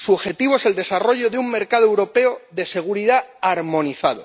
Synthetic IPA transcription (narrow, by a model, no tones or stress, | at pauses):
suoβxe̞t̪iβoe̞se̞ld̪e̞saro̞ʝo̞ðeuŋme̞ɾkaðoewɾo̞pe̞oðe̞se̞ɣ̞uɾiðaaɾmõ̞niθað̞o